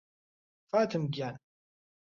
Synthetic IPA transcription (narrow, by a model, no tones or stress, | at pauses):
fat̪əmɡæn